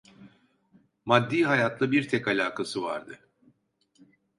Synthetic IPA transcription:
mad̪ːiːɦajat̪ʰlˠɯbiɾt̪ʰɛkalʲaːkʰasɯva̰ɾd̪ɯ

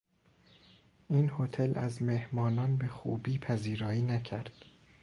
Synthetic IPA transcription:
ʔiːnhot̪ʰelʔæzmehmɒːnɒːnbe̞xṵːbiːpʰæziːɾɒːiːnæcʰæɾd̪̥

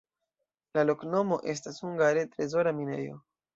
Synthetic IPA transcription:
lalo̞kno̞mo̞ʔe̞s̬tashuŋɡaɾetɾe̞zo̞ɾamine̞̰jo̞̰

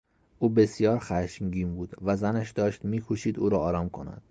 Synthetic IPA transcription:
ʔuːbe̞sijɒːɾxæʃŋɟiːmbuːd̪̥væzænæʃd̪ɒːʃt̪miːkʰoʃiːd̪ṵːɾɒɒːɾɒːmkʰo̞̰næ̰d̪̥

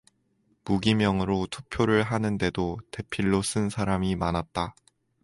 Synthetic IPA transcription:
muɡimjʌŋɯɾotʰu̥k̚pʰjoɾɯɭɦanɯnde̞dote̞pʰiɭːos͈ɯnsʰaɾamimanat̚t͈a

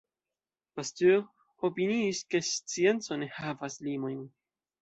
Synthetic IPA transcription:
past̪y | opiniːske̞st͡sie̞nt͡sonehavaslimo̞jn

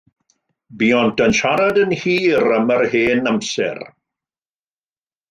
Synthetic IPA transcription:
biːɔntənʃaɾadənhiːɾəmərheːnamsɛ̰r

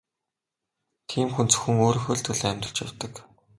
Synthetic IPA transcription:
t̪ʰiːmxunt͡sɵ̥xɘ̆ŋoːɾɵ̆xɵ̆ːɮt̪ʰɵ̆ɮæːmʲt̪ə̆ɬt͡ɕawt̪ə̆k

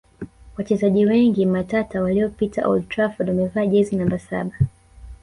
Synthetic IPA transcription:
wat͡ʃɛzaʄiwɛŋɡimatatawaliɔpitaʔɔ̰ld̚tɾafɔdwamɛvaːʄɛzinambasa̰ɓa

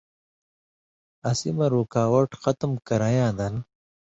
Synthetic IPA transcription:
ɐsimɐɾuːkaːwɐʈxɐt̪əmkɐɾajãːd̪ɐn

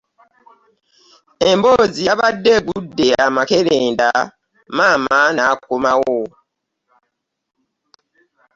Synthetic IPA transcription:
ɛmboziabadebudeamakelɛnda̰ | mamanak̚omawɔ

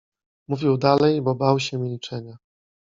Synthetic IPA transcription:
muvʲiwd̪alɛjbɔbawɕɛmʲilʲit͡ʂɛɲa

